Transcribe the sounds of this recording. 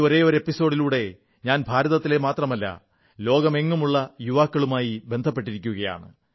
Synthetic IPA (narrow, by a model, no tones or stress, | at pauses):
o̞ɾe̞ːo̞ɾepːiso̞ːɽiluːɽe̞ | ɲaːnbʱaːɾɐðɐt̪ːile̞maːt̪rɐmɐlːɐ̰ | lo̞ːɡɐme̞ŋːumuɭːɐjuʋaːkːɐɭumaːjibe̞nd̪ʱɐpːe̞ʈ̬ːiɾikʲːuɣɐja̰ːɳɨ̰